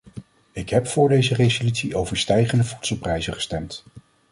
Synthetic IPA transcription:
ɪkɦɛpfʊːɹdejzərezolytsiʔowvəɹstɛjχəndəvu̥tsəlˠprɛjzəχə̥stɛmt

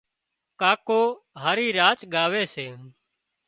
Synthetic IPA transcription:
kaːkoːɦaːɾiːɾaːt͡ʃɠaːʋeːseː

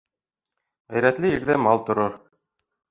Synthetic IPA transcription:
æjɾæt̪lɘiɾðæmɑlˠt̪ŏɾɤɾ

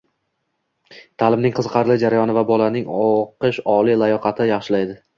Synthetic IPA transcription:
t̪ʰalɪmnɪŋqʰɨzqʰɑɾlˠɪd͡ʒaɾajɒnɪvabɒlanɪŋɒqʰɨʃɒlˠilˠajɒqʰɑt̪ʰɪjɑχʃɪlajd̪ɪ

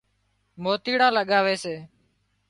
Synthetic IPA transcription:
moːt̪iːɽãːləɠaːʋeːseː

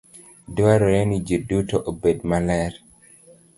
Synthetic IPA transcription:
dwwaɾɔɾenid͡ʒedutoʔobedmalɛɾ

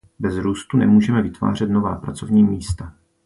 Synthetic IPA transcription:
bɛzɾuːst̪unɛ̰muːʒɛmɛvɪt̪va̰ːr̝ɛt̪no̞va̰ːpɾa̰t͡so̞vɲiːmiːst̪a

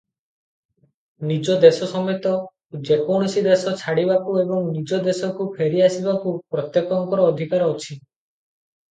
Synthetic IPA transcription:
nid͡ʒɔd̪esɔsɔmɔt̪ɔ | d͡ʒekoɽ̃ɔsid̪esɔt͡ʃʰaɽibakuebɔŋnid͡ʒɔd̪esɔkupʰeɾiasibakupɾɔt̪jekɔŋkɔɾɔːd̪ʱikaɾɔut͡ʃʰi

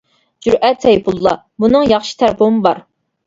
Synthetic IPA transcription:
d͡ʒyɾɛt̪ːɛjpʰulˠːɑ̰ | bunɨŋjɑχʃi̥t̪ʰæɾpʰomɨbɑɾ

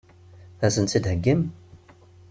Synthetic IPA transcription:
θæsənt̪t͡sːid̪həɡːim

